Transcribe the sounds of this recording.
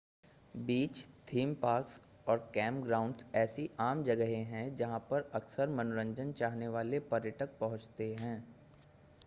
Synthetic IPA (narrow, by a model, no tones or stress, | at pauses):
biːt͡ʃt̪ʰiːmpaːɾks | ɔːɾkɛ̃ːmpɡɾaːʊ̃ɳɖsɛːsiʔaːmd͡ʒɐɡəɦẽɦɛ̃d͡ʒɐɦãpɐɾɐksəɾmɐnoɾə̃ɲd͡ʒənt͡ʃaːɦneʋaːlepɐɾjəʈək̚pɐɦʊ̃t͡ʃt̪eɦɛ̃ː